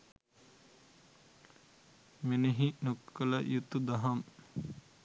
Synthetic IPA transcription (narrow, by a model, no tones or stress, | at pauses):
meneɦinokːələjut̪ːud̪aɦam